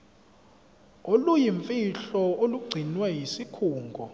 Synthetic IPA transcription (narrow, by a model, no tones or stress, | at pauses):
olujiɱfʼiɬɔoluɡ͡ǀʱinwɛjisikʰuːŋɡʱɔ